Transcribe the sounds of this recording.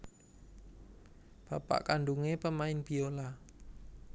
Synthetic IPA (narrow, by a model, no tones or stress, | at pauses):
b̥apa̰ʔkanɖuŋepəmaɪnb̥iola